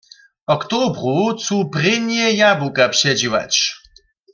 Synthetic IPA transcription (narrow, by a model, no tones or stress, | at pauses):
ɔkt̪obɾut͡s̪uprɪnjɛjabukapɕɛd͡ʑiwa̰t͡ɕ